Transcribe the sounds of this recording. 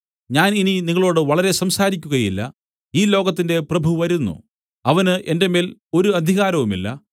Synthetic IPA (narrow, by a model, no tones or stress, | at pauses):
ɲaːnininiŋːɐɭo̞ːɽɨʋɐɭɐɾe̞sɐmsaːɾikʲːuɣɐjilːɐ̰ | iːlo̞ːɣɐt̪̬ːinde̞prɐbʱuʋɐɾunːṵ | ɐʋɐnɨʔende̞me̞ːlo̞ɾuɐd̪ʱiɣaːɾɐʋumḭlːɐ̰